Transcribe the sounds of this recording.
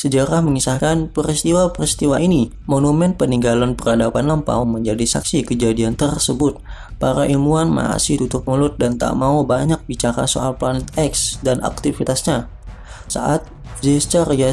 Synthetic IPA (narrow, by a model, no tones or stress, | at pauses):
səd͡ʒəɾahməŋisahkanpəɾist̪iwapəɾist̪iwaʔini | monumɛnpəniŋɡalanpəradapanlampa̰uməɲd͡ʒadisa̰ksikəd͡ʒadiant̪ərsəbʊt̪̚ | paɾaʔilmuanma̰sɪht̪ut̪ʊp̚mulʊt̪̚dant̪a̰ʔmaubaɲak̚bit͡ʃaɾa̰so̰alplanɛt̪ɛksdanʔa̰k̚t̪ifit̪asɲa | sa̰ʔat̪̚ | zɛst͡ʃərja